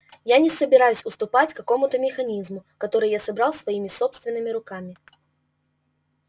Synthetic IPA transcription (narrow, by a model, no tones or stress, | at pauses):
janʲɪsəbʲɪɾajʊsʲʊst̪ʊpat͡sʲkːɐko̞mʊt̪əmʲɪxɐnʲizmʊkɐt̪o̞ɾɨjjasɐbɾɑlˠsvɐimʲɪsopst̪vʲɪnːɨmʲɪɾʊkamʲɪ